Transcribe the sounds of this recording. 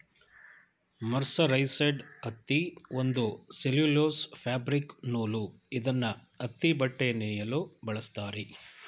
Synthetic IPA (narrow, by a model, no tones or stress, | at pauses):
mɐɾsɐɾɐjseɖɐt̪ːiond̪useluloːspʰaːbɾiknoːlu | id̪ɐnːɐ | ɐt̪ːibɐʈːenɛːjɐlubɐɭɐst̪aːɾe